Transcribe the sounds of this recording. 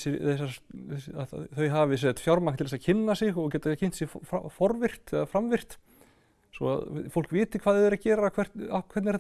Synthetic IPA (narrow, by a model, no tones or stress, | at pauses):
ɪθesassa̰θθœɥɦaːvɪsɛt̪fjawɾmahkt̪ʰɪlðɛsacʰɪnːasɪɣɔɣcɛːt̪acʰɪnt̪sjɛɣffa̰fɔɾvɪr̥t̪ɛðafɾamvɪr̥t̪ | sɔ̰a̰ðfowl̥kvɪːt̪ɪɾkʰvaːðɪðɛɾacɛːɾakʰvɛr̥t̪akʰvɛt̪nɪɾ̥ɛ